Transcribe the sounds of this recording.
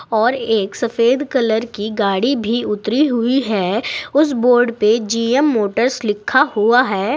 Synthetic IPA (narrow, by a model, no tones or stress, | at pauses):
ɔːɾeːksɐfeːd̪kɐləɾkiɡaːɽibʱiʊt̪ɾiɦʊiɦɛːʊs̬boːɾɖped͡ʒiːɛmːoːʈəɾslɪkʰːahuaɦɛː